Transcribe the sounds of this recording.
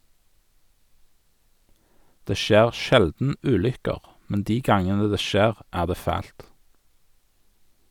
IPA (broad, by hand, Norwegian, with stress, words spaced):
ˈdeː ˈʃeːʁ ˈʃɛldn̩ ˈʉːlʏkəʁ ˈmɛn ˈdiː ˈɡɑŋənə ˈdeː ˈʃeːʁ ˈæːʁ ˈdeː ˈfæːlt